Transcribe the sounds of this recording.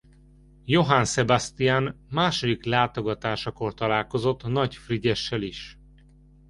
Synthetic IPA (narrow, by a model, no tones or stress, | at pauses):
jo̞ɦansɛbast̪ijaːnmaːʃod̪iklaːt̪o̞ɡɒt̪aːʃɒko̞rt̪ɒlaːlko̞zo̞t̪ːnɒcfriɟɛʃːɛliʃ